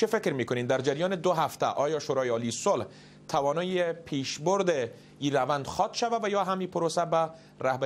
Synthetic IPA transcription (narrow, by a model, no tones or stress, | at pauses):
t͡ʃʰefekɾmikonimd̪æɾd͡ʒaɾijɒːned̪oɦaft̪a̰ʔɒjɒʃoːɾɒːjeɒːlisolh | t̪ʰavɒːnɒjepʰiːʃboɾd̪e | iɾavand̪xɒt̪ʃavavajɒɦamiːpoɾosæba | ɾahb